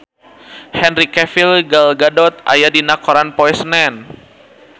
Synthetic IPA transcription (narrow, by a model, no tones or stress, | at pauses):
hɛnɾikɛfilɡalɡadɔt̪̚a̰jadinakɔɾanpɔɛsnɛn